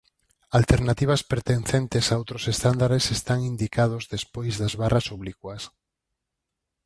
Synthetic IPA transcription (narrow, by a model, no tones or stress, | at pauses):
alt̪eɾnat̪iβ̞aspeɾt̪enθent̪esaowt̪ɾosest̪and̪aɾesest̪aŋind̪ikað̞ozðespojzðazβarʔasoβlikwas